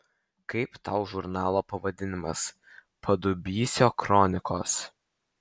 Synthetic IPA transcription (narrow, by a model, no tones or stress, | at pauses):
kɐɪpt̪ɐʊʒʊɾnɑːlˠoːpɐʋɐd̪ʲɪnʲɪmɐ̰s | pʰɐd̪ʊbʲiːsʲoːkɾɔnʲɪkoːs